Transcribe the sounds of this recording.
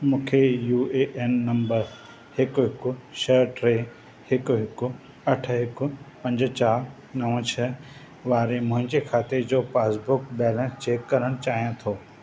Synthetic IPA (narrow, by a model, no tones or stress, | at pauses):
mũːkʰejuːeʔenːɐmbəɾ | hɪkʊɦɪkʊʃəʈɾeː | hɪkʊɦɪkʊ | ɐʈ̆ʰɦɪkʊpɐ̃ɲd͡ʑt͡ɕaː | nɐʋə̃t͡ɕʰɐ | ʋaːɾemʊ̃ɦɪ̃ɲd͡ʑekʰaːt̪ed͡ʑoːpaːsbʊkbɛːlɛ̃nst͡ɕeːkːɐɾəɽ̃t͡ɕaːɦijãt̪ʰoː